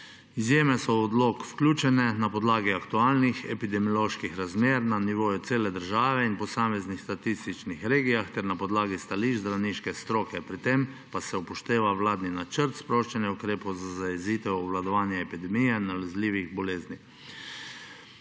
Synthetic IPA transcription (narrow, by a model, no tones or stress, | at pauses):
izjeːmɛsɔːd̪loːkfklʲuːt͡ʃɛnɛnapɔd̪laːɡiakt̪uaːlnixɛ̰pid̪ɛmjɔloːʃkixɾazmeːɾnaniʋoːjut̪seːlɛd̪əɾʒaːʋɛinpɔsaːmɛznixst̪at̪ist̪it͡ʃnixɾeːɡijaxt̪ɛɾnapɔd̪laːɡist̪aliːʒzd̪ɾawniʃkɛst̪ɾoːkɛpɾit̪em | pasɛupɔʃt̪eːʋawlaːd̪ninat͡ʃəɾt̪spɾoːʃt͡ʃɛnjɛukɾeːpɔwzazajɛziːt̪ɛwɔʋlad̪ɔʋaːnjɛɛpid̪ɛmijɛnalɛzliːʋiɣbɔleːzni